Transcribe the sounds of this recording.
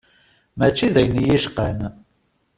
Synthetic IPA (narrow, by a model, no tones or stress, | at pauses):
mæt͡ʃːiðæjnjiʃqən